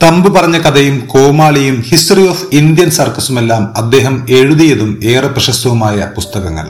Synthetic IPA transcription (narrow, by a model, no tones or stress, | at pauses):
t̪ɐmbɨpɐrɐɲːɐkɐd̪ɐjumko̞ːmaːɭijumhistrijoːfind̪jɐnsɐrkɐsume̞lːaːmɐd̪ːe̞ːɦɐme̞ɻuðijɐðume̞ːrɐprɐʂɐst̪ɐʋumaːjɐpust̪ɐɣɐŋːɐ̰ɭ